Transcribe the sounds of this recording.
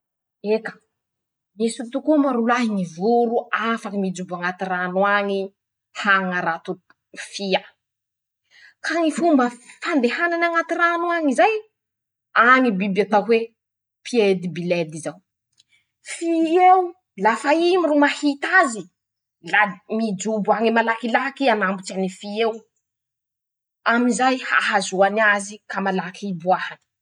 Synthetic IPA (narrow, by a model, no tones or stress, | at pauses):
ekə̥ | misut̪ukumaɾulaɦinivuɾuafakamid͡zubuaŋat̪iranuaŋi | haŋaɾat̪u | fia | kaŋifumbəfand̪ehananaŋat̪iranwaŋizaj | aŋibibat̪akwe | pʰied̪ibiled̪izaw | fiew | lafaimirumahit̪azi | lamid͡ʒubuaŋimalakilakianambut͡ʃanifiew | amizajhaɦazuanazikamalakʰibuahani̥